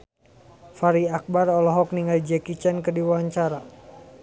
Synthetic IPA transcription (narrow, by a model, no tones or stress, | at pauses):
faɾiak̚barɔlɔɦɔk̚niŋɡald͡ʒɛkit͡ʃɛnkərdiwaaɲt͡ʃaɾa